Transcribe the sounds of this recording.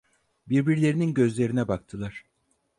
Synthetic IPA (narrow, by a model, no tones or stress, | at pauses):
biɾbiɾlʲe̞ɾininɟø̞zlʲe̞ɾinɛbakt̪ʰɯlˠaɾ̥